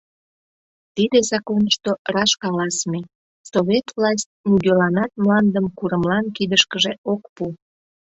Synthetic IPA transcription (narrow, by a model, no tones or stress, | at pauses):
t̪id̪ezɑkonəʃt̪orɑʃkɑlɑsme | soβʲet̪vlɑs̬ʲt̪̚ʲnyɡølɑnɑt̪̚mlɑnd̪əmkuɾəmlɑnkid̪əʃkəʒeokpu